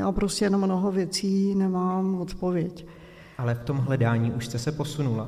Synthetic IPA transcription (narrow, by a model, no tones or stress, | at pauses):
ja̰ːpɾo̞scɛjɛnomːnoɦovjɛt͡siːnɛmaːmot̪povjɛc | ʔalɛft̪o̞mɦlɛdaːɲiːʔuʃst̪ɛsɛpo̞sunula